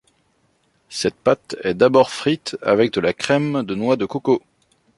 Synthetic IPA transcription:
sɛt̪̚pat̪ɛd̪abɔʁfχit̪a̰vɛk̚d̪əlakχɛmd̪ənwad̪əkoko

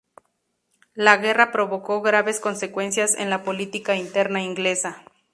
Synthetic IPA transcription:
laɣe̞rapɾoβo̞ko̞ɣɾaβe̞sko̞nse̞kwe̞nsjasḛnlapo̞lit̪ikaint̪e̞ɾnaiŋɡle̞sa

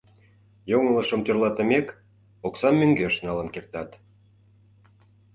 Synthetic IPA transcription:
joŋələʃə̆mt̪ørlɑt̪ə̆mek | oksɑmːøŋɡeʃnɑlə̆nkert̪ɑt̪

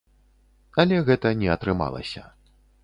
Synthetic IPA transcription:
ɐlʲɛɣɛt̪ɐnʲɛɐt̪ɾɨma̰lˠɐ̰sʲɐ

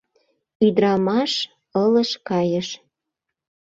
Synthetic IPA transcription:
yd̪ɾɑmɑʃ | ɤlə̆ʃkɑjəʃ

